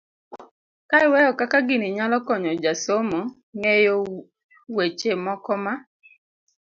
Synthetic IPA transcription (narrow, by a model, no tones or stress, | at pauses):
kaiwɛɔkakaɡɪniɲalɔkɔɲɔd͡ʒasomɔ | ŋejo | wet͡ʃemɔkɔma